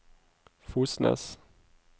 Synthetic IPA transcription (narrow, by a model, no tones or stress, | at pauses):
fuːsnə̰s